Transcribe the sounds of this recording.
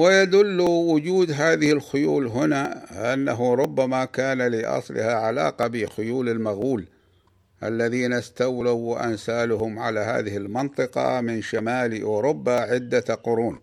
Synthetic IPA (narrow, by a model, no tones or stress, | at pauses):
wɪjad̪ʊlːuwʊd͡ʒuːd̪ɦaːðɪhɪlxʊjuːlɦʊnaʔanːaɦuɾˤʊbːamakaːnalɪʔɑ̰sˤlɪ̰haʕala̰ːqɑbɪxʊjuːlɪlmaɣuːl | ʔa̰lːaðiːnast̪awlawʔa̰nsaːlʊhʊmʕalaɦa̰ːðɪhɪlmɪnt̪ˤɨqɑ̰mɪnʃamaːlʔʊɾʊbːaʕɪd̪ːaqʊɾuːn